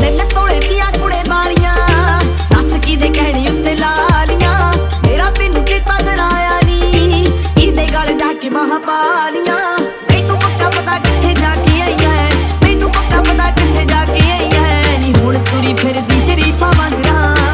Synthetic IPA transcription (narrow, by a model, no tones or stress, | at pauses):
leːnɛ̃ːt̪oːɽeːd̪ɪjãːkʊɽeːbaːɽɪjãː | əskɪd̪eːkɛɦɽĩːʊt̪ːeːlaːlɪjãː | meːɾãːt̪ɪːnũːkɪt̪ãːzəɾaːjaːniː | ɪd̪eːɡəld͡ʒaːkeːməɦãːpaːlɪjãː | t̪einũːpəkːãːpəd̪aːkɪt̪ʰːeːd͡ʒaːkeːaːijãːɦɛːmẽːnũːpəkːãːpəd̪aːkɪt̪ʰːeːd͡ʒaːkeːaːiːãːɦɛd͡ʒɪɦoːɽt̪ʊɽiːpʰɪɾd̪iːʃəɾiːpʰãːmãɡɾaː